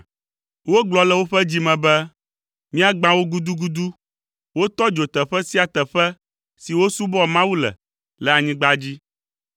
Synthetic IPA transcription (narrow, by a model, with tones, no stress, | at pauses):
wo˦ɡ͡blɔ˦lɛ˨wo˦ɸɛ˦d͡ʑi˦mɛ̃˨bɛ˦ | mĩ˦a˦ɡ͡bã˦wo˦ɡu˦d̪u˦ɡu˦d̪u˦ | wo˦t̪ɔ˦d͡ʒo˨t̪ɛ˨ɸɛ˦si˦a˨t̪ɛ˨ɸɛ˦ | si˨wo˦su˦bɔ˦mã˦wu˦lɛ̰˨ | lɛ˨a˨ɲĩ˦ɡ͡ba˦d͡ʑi˦